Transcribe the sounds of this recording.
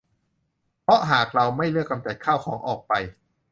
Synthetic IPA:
pʰɾɔ˦˥ʔɦaː˨˩k̚ɾa˧wma˥˩jlɯ˥˩əkːa˧mt͡ɕa˨˩t̪̚kʰaː˥˩wkʰɔː˩˦ŋʔɔː˨˩k̚pa˧j

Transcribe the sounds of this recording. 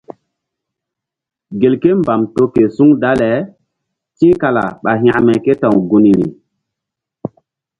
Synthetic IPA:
ɡe˨lke˦mba˨mto˦ke˨su˦ŋda˦le˨˦ | tĩ˦ka˨la̰˨ɓa˨ɦj̃a̰˨mɛ˨ke˦tã˨wɡu˨ni˨ɾḭ˨

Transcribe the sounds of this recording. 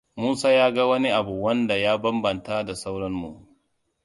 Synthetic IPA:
muː˦saː˦jaː˦ɡa˦wɐ˦ni˦ʔa˨bu˨wɐ˦nda˨jaː˦bɐ˦mbɐ˨nta˦da˨sa˦wɽɐ˦nmṵ˨

